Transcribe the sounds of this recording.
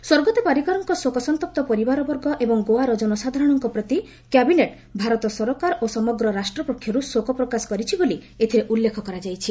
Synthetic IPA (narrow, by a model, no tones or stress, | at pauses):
soɾɡɔt̪epaɾikaɾɔŋkɔsokɔsɔnt̪ɔp̚t̪ɔpɔɾibaɾɔbɔɾɡɔʔebɔŋɡoaɾɔd͡ʒɔnɔsad̪ʱaɾɔɽ̃ɔŋkɔpɾɔt̪i | kabineʈ | bʱaɾɔt̪ɔsɔɾɔkaɾosɔmɔɡɾɔɾasʈɾɔpɾokʰːjɔɾusokɔpɾɔkasɔ̥kɔɾit͡ʃʰiboliet̪ʰiɾeʔulːekʰɔkɔɾad͡ʒajt͡ʃʰi